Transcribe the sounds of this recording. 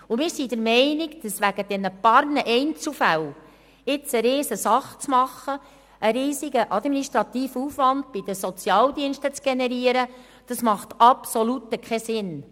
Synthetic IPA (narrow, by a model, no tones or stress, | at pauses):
umɪːɾsidəɾmɛɪniɡd̥ɑsʋæɡəd̥ɛnəpɑɾnəʔɛɪnt͡sufæw | ɪt͡səɾeːsəsɑχt͡smɑχːə | ʔəɾiːziɡəʔɑd̪miniʃtɾɑt̪iːfuːfʋɑnd̥̚b̥id̥əsɔt͡sjɑːld̪iənʃtət͡sɡ̥enɛɾiəɾə | d̥ɑsmɑχt̪ɑpsɔlut̪əkχɛsɪn